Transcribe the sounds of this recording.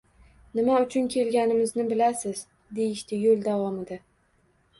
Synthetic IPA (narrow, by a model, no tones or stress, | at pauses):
nɪmaʊt͡ʃʰʊnkʲʰe̞lɡʲanɪmɪznɪbɪlasɪz | d̪e̞jɪʃt̪ɪjolˠd̪avɒmɪd̪a